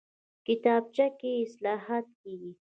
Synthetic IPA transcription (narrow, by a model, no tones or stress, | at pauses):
kɪt̪ɑb̚t͡ʃakeɪslɑɦat̪̚keɡi